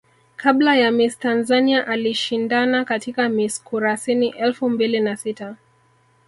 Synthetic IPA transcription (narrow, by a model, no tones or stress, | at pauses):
kʰablajamistanzaniaʔaliʃindanakatikamiskuɾasiniʔɛlfumbilinasita